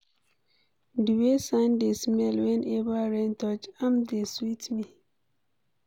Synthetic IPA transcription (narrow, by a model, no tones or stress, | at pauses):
duwesãndesmɛlwɛnʔebaɾɛ̃ntɔt͡ʃãmdeswitmi